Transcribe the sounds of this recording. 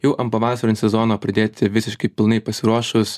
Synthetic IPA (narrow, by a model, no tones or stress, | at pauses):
jɛʊʔɐmpɐʋɑːsɐɾʲɪnsʲɛzɔnoːpʲɾɐd̪ʲeːt̪ʲɪʋʲɪsʲɪʃkɐɪpʲɪlˠnɐɪpɐsʲɪɾuɔʃʊs